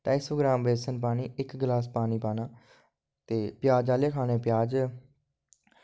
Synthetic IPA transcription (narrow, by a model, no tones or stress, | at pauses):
t̪aːɪsoːɡɾãːmbeːsənp̬aːniːɪkɡlaːspaːniːpaːnaː | t̪eːpjaːd͡ʒaːleːkʰaːneːpɪjaːd͡ʒ